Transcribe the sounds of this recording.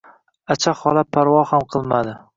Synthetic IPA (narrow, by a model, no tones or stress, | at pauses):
at͡ʃʰaχɒlapʰːaɾwɒhamqʰɨlˠmad̪ɪ